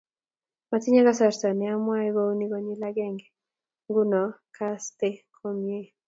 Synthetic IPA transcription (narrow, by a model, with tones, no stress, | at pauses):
ma˨ti˦ɲa˦ɡa˦sa˨ɾsa˨nɪ˨a˦mwa˦ɛ˦ɡo˦ni˦ɡo˨ɲi˦la˦ɡɛ˦ŋɡɛ | ŋɡu˦nɔ˨kʰaste˦kʰomje˦